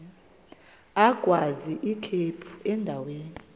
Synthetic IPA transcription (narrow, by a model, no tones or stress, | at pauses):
aɡ̥ʱwaziʔikʰepʰu̥ɛndʱaweːni